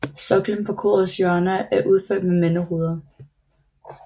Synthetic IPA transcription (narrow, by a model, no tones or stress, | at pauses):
sɒɡ̥lənpʰɒ̽kʰo̝̰ːɐð̩ˠsjœɐnææɐʔuð̞ˠføɐ̰d̥memenəho̝ːðˠɐ